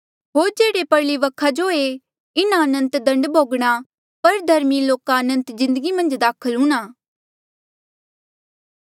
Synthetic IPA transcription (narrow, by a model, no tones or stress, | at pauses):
ɦoːɾd͡ʒeːɽepɐɾliʋɐkʰad͡ʒoe | ɪnaɐnə̃nt̪d̪ɐ̃ɳɖbʱoːɡɽ̃a | pɐɾd̪ʱɐɾmiloːkaɐnə̃nt̪zɪ̃nd̪əɡimɐ̃nd͡ʒd̪aːkʰəlɦũːnaː